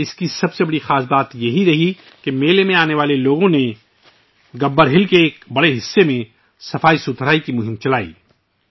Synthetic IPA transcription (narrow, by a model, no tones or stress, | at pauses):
ɪskisɐbsebɐɽixaːsbaːt̪jɐɦiɾɐɦi | kemeːlemẽaːneʋaːleloːɡõne | ɡɐbːəɾɦɪlkeːk̚bɐɽeɦɪsːemẽ | sɐfaːisʊt̪ʰɾaːikimʊɦɪ̃mt͡ʃɐlaːḭː